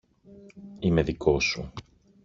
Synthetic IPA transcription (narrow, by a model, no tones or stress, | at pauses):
ime̞ðikʰo̞su